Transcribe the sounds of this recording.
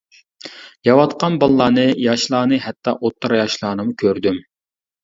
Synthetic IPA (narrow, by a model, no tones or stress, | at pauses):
jɑwɑt̪qɑnbɑlˠːɑːnɨjɑʃlˠɑːnɨɦɛt̪ʰːɑʔot̪ʰːɨɾɑjɑʃlˠɑːnɨmukʲʰøɾd̪ym